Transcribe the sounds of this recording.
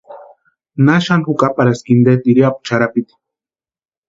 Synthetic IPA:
naʃanxukʼapaɾaskind̪et̪iɾiapu̥t͡ʃaɾapit̪ḁ

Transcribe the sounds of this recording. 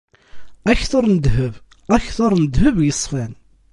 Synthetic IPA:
æçθʊɾˤnəd̪həv | æçθoɾˤnəd̪həvjəsˤːfæn

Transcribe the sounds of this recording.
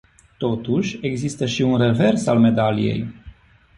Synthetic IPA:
t̪o̞t̪uʃʲe̞ɡzist̪əʃiunre̞ve̞rsa̰lme̞d̪alḭjḛj

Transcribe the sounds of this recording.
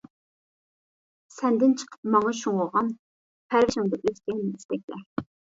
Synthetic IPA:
sɛnd̪ɪnt͡ʃʰə̥qʰə̥pmɑŋɑʃuŋoʁɑn | pʰæɾvɪʃɪŋd̪ɑʔøzkʲɛnɪist̪ɛk̚ʲlɛ

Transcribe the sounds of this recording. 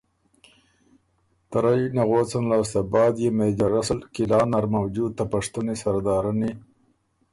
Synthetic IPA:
t̪aɾajnaɣot͡sanlɑːst̪abɑːd̪jemed͡ʒaɾasəlkilɑːnaɾmawd͡ʒud̪̚t̪apaʂt̪ənisaɾd̪ɑːɾani

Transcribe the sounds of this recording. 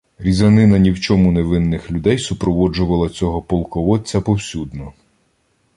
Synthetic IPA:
ɾʲizɐnɪnɐnʲiwt͡ʃɔmʊneʋɪnːɪxlʲʊd̪ɛjsʊpɾɔʋɔd͡ʒʊʋɐlˠɐt͡sʲɔɦɔpɔlˠkɔʋɔt͡sʲɐpɔwsʲud̪nɔ

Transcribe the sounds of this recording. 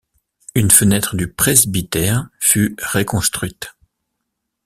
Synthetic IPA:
ynfənɛt̪χəd̪ypχezbit̪ɛʁfyʁekɔ̃st̪χɥit̪

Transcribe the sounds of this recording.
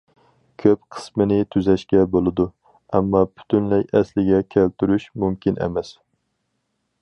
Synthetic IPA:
kʲʰøp̚qʰə̥smɨnɪt̪ʰyzɛʃkʲɛbolˠɨd̪u | ɛmːɑpʰy̥t̪ʰynlɛjɛslɪɡʲɛkʲʰælt̪yɾyʃmymkʲinɛ̰mɛs

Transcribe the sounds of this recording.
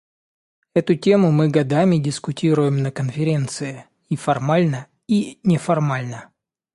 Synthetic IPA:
ɛt̪ʊtʲemʊmɨɡɐd̪amʲɪdʲɪskʊtʲiɾʊjɪmnəkənfʲɪɾʲe̞nt̪sɨɪ | ifɐrmalʲnə | inʲɪfɐrmalʲnə

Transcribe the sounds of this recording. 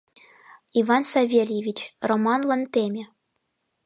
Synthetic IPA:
ivɑnsɑvʲelʲjevʲit͡ɕromɑnlˠɤ̆nt̪ʲemʲĕ

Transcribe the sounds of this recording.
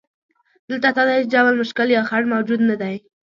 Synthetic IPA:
d̪̥əlt̪at̪ad̪at͡ʃd͡ʒawəlmʊʃkɪljɑxaɽmawd͡ʒud̪nad̪aj

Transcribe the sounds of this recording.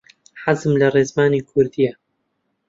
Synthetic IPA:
ħazɨmlɐreːzmaːniːkʰʊɾd̪ija

